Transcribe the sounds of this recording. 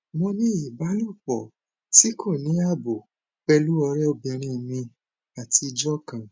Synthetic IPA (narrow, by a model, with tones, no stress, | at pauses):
mɔ̃˧nĩ˦i˨ba˨˦lo˦˨k͡pɔ˨ | ti˨˦ko˦˨nĩ˨˦a˦˨bo˨ | k͡pɛ˧lu˦ɔ˧ɾɛ˦o˧˨bɛ˧˨ɾ̃ĩ˧˨mĩ˧ | a˨tʰi˧d͡ʒɔ˦kã˨